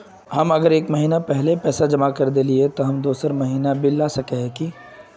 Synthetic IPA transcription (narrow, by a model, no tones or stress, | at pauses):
hɐmɐɡəɾeːkmɐɦiːnapɛɦlepɛːsad͡ʒɐmakɐɾd̪eliet̪oɦɐmd̪uːsəɾmɐɦiːnabʱɪlːaːsɐkeɦɛki